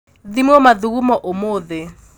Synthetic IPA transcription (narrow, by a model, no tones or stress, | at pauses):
ðimwɔmaðuɣumɔʔomoːðɪ